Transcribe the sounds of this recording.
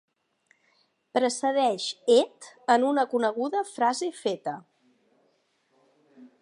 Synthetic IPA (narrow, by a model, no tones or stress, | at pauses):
pɾəsəð̞ɛʃet̪ənunəkunəɣ̞uðəfɾazefet̪ə